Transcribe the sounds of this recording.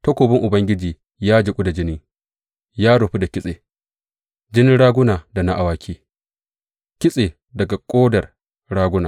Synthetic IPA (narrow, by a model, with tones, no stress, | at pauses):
tɐ˦kʷoː˨bɪ˦ŋʔʊ˨bɐ˦ŋɡʲɪ˦d͡ʒiː˨ | jaː˦d͡ʒɪ˨kʷʼʊ˦da˨d͡ʒɪ˦nɪ˦ŋ | jaː˦ɽʊ˨ɸi˦da˨kʲɪ˦sʼeː˨ | d͡ʒɪ˦nɪ˦nɽaː˦ɡʷʊ˦naː˨da˨na˦ʔa˨waː˦kʲʰiː˦ | kʲɪ˦sʼeː˨ | dɐ˨ɡa˨kʷʼoː˦dɐ˨r | ɽaː˦ɡʷʊ˦naː˨